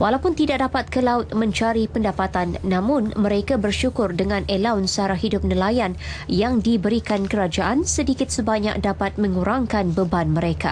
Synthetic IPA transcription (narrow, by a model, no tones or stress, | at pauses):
walawpʊnt̪idak̚dapat̪̚kəlaʊt̪̚mə̃ɲt͡ʃaɾipəndapat̪anːãmʊ̃nmə̃ɾekabərʃukʊrdəŋãnelawnsəaɾaɦidʊp̚nəlajanjaŋdibəɾikankəɾad͡ʒaʔansədikɪt̪̚səbaɲa̰k̚dapat̪̚mə̃ŋuɾaŋkanbəbanmə̃ɾeka̰